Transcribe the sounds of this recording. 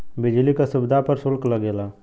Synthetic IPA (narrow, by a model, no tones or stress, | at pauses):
bɪd͡ʒlikasʊbd̪ʱapəɾsʊlkləɡeːlaː